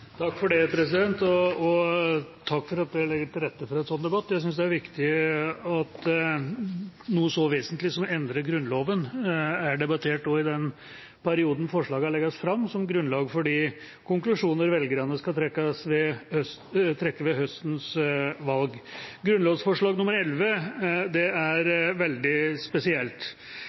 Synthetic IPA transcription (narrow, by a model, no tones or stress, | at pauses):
t̪ʰɑkːfɔɖɛpʰɾɛs̬ɪd̪ɛnt̪ɔɔt̪ʰɑkːfɔɾɑt̪̚d̪ɛlɛɡːəʈɪlɾɛt̪ːəfɔɾɛnsɔnːd̪ɛbɑt̪ːjæɪs̬ʏnsd̪ɛæɾʋɪkt̪ɪɑt̪ | nuːəsɔʋeːsənt̪lɪsɔmɛnd̪ɾəɡɾʉnːloːʋənæɖɛbɑt̪ʰeːʈd̪ɔɪd̪ɛn | pæɾɪuːd̪n̩fɔʂɭɑːɡəhɑɭɛɡːɑsfɾɑmːsɔmɡɾʉnlɑːɡfɔɖiː | kʊŋklʉʂuːnəɾʋɛlɡəɾɑnːəskɑt̪ʰɾɛkːəsʋɛhœst̪ʰɾɛkːəʋɛɦœst̪n̩sʋɑlɡɡɾʉnloːʋsfɔʂɭɑːɡnʊmːəɾɛlʋəd̪ɛæɾʋɛld̪ɪspɛsɪɛlt̪